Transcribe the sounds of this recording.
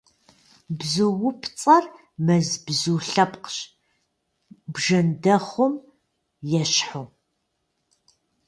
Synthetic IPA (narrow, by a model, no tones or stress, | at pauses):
bzɨwʊpʰt͡sʼɐr | mɐzbzuːɬɐpqɕ | bʒɐndɐχʷʊm | jɛɕħoː